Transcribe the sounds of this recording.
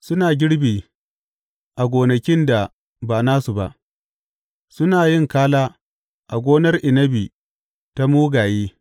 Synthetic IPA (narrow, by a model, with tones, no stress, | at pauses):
sʊ˦naː˨ɡʲɪ˦ɽbiː˨ | ʔa˨ɡʷoː˨nɐ˨kʲɪ˦nda˨ | baː˨naː˦su˨ba̰˨ʔ | sʊ˦naː˨jɪ˦˨ŋkaː˦laː˦ | ʔa˨ɡʷoː˦nɐ˦rʔɪ˨nɐ˦bi˨ | ta˦muː˦ɡaː˨jeː˦